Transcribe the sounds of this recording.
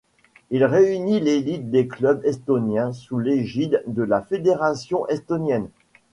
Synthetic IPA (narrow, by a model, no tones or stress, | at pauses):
ilʁeynilelit̪̚d̪eklœbɛst̪ɔnjɛ̃suleʒid̪d̪əlafed̪eʁasjɔ̃ʔɛst̪ɔnjɛn